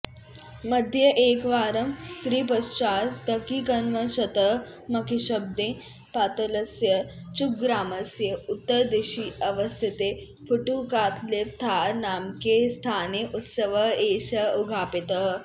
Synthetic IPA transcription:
mɐd̪ʱjɐʔeːkʋaːɾɐmt̪ɾiːp̬ɐst͡ʃaːsd̪ɐkiːkɐnʋɐnɕɐt̪ə | mɐkiɕəb̚d̪ẽ | paːt̪ɐlɐsjɐt͡ʃuk̚ɡɾaːmɐsjəut̪ːəɾd̪eɕiːɐʋəst̪ʰit̪e | fuʈukaːt̪ʰlep̚t̪ʰaːɾnaːmkest̪ʰaːneʔut̪səʋəeːɕɐuɡʱaːpit̪ə

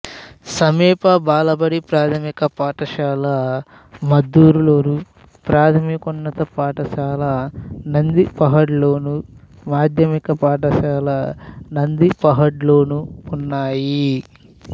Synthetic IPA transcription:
sɐmiːpɐbaːlɐbɐɽipɾaːt̪ʰɐmikɐpaːʈɐʃaːlɐ | mɐd̪ːuːɾuloːnu | pɾaːt̪ʰɐmikunːɐt̪ɐpaːʈɐʃaːlɐnɐnd̪ipɐɦɐɽloːnu | maːd̪ʱjɐmikɐpaːʈɐʃaːlɐnɐnd̪ipɐɦɐɽlo̞ːnuːnːaːji

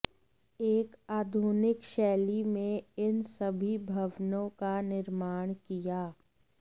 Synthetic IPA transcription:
eːkaːd̪ʱunɪkʃɛːlimẽɪnsɐbʱibʱɐʋnõkanɪɾmaːɽ̃kijaː

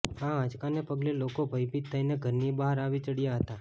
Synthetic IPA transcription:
ããd͡ʒkanepəɡlelokobʱəjpit̪ʰːəjneɡʱəɾnibaɦaɾaʋit͡ʃəɽijaɦət̪a

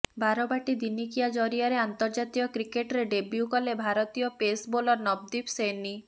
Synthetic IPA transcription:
baɾɔbaʈid̪inikijad͡ʒɔɾiaɾeant̪ɔɾd͡ʒat̪ijɔkɾikeʈɾeɖebjukɔlebʱaɾɔt̪ijɔpesbolɔɾnɔb̚d̪ipseni

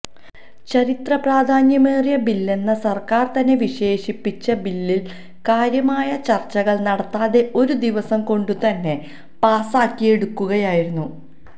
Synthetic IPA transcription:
t͡ɕɐɾit̪rɐpraːd̪ʱaːnjɐme̞ːrjɐbilːe̞nːɐsɐrkaːrt̪ɐnːe̞ʋiɕe̞ːɕipːit͡ɕːɐbilːil | kaːɾjɐmaːjɐt͡ɕɐrt͡ɕːɐɣɐɭnɐɽɐt̪ːaːðe̞o̞ɾud̪iʋɐsɐmko̞ɳɖut̪ɐnːe̞ | paːsaːkːije̞ɽukːuɣɐjaːjiɾunːu

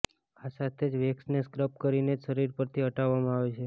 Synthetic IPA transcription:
asat̪ʰed͡ʒʋeksneskɾəp̚kəɾined͡ʒʃəɾiɾpəɾt̪ʰiəʈaʋːamãaʋet͡ʃʰe

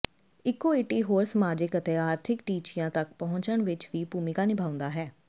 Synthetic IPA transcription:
ɪkːoːeːʈiːɦoːɾsəmaːd͡ʒɪkət̪eːaːɾt̪ʰɪkʈiːt͡ʃɪjãːt̪ək̚pəɦʊ̃t͡ʃəɳʋɪt͡ʃʋiːpuːmɪkaːnɪbʱaːʊ̃nd̪aːɦɛː

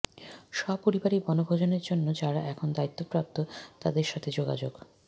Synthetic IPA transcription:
ʃɔpoɾibaɾibɔnobʱod͡ʑoneɾd͡ʑonːod͡ʑaɾaʔɛkʰond̪ait̪ːopɾap̚t̪ot̪ad̪eɾʃat̪ʰed͡ʑoɡa̰d͡ʑoɡ̥

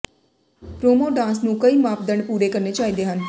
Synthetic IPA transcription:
pɾoːmoːɖãːnsnũːkəiːmaːpd̪əɳpuːɾeːkəɾneːt͡ʃaːiːd̪eːɦən

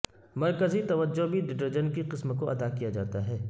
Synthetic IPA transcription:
mɐɾkəzit̪ɐʋəd͡ʒːobʱiɖɪʈɐɾd͡ʒənkiqɪsməkoʔɐd̪akijad͡ʒaːt̪aɦɛː

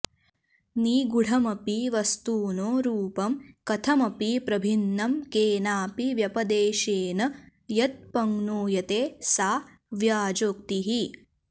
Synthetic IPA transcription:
niːɡuɽ̤ʱɐmɐpiʋɐst̪uːnoːɾuːpɐmkɐt̪ʰɐmɐpipɾɐbʱinːɐmkeːnaːpiʋjɐpɐd̪eːʃeːnɐ | jɐt̪̚pɐŋɡnuːjɐt̪eːsaː | ʋjaːd͡ʒoːk̚t̪iɦi

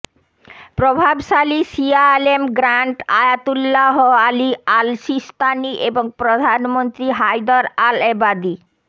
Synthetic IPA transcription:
pɾobʱabʃalisialemɡɾaɳʈajat̪ulːaɦoalialʃist̪aniʔeboŋpɾod̪ʱanmont̪ɾiɦajd̪aɾalebad̪i

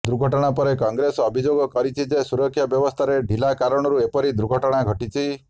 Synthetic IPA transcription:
d̪ɾuɡʱɔʈɔɽ̃apɔɾekɔŋɡɾesɔɔbʱid͡ʒoɡɔkɔɾit͡ʃʰid͡ʒesuɾɔkʰːjabjɔbɔst̪ʰaɾeɖʱilakaɾɔɽ̃ɔɾuepɔɾid̪ɾuɡʱɔʈɔɽ̃aɡʱɔʈit͡ʃʰi

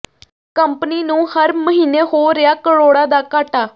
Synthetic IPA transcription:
kəmpniːnũːhəɾməɦiːneːhoːɾɪjaːkəɽoːɽaːd̪aːkaːʈaː

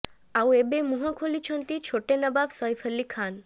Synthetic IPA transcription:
awebemuɦakʰolit͡ɕʰont̪it͡ɕʰoʈenəbabsɔjfʰəlːikʰan

